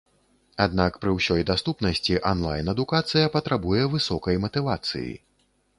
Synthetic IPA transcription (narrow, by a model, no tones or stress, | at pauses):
ad̪̚nakpɾɨwsʲɔjd̪ast̪upnɐsʲt͡sʲiʔanlˠa̰jnɐd̪ukat̪sɨjɐpɐt̪ɾabujɛvɨsɔkɐjmɐt̪ɨvat̪sɨ̰jḭ